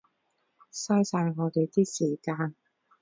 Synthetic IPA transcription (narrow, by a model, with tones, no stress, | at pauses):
saː˥jsaː˧jŋɔː˨˧t̪e˨jt̪iː˥siː˨˩kaː˧n